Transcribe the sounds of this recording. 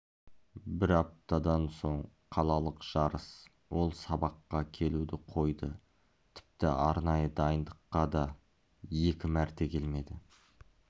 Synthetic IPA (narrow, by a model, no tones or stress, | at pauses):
bɪɾɑp̚t̪ɑd̪ɑnso̞ɴ | qʰɑlˠɑlˠəqʒ̥ɑɾəs | wo̞lˠsɑbɑqːɑkʲʰe̞lud̪ɪqʰo̞jd̪ə | t̪ʰɪ̥p̚t̪ɪ̰ɑɾnɑjəd̪ɑjənd̪əqːɑd̪ɑ | je̞kʲɪmæɾt̪e̞kʲʰe̞lme̞d̪ɪ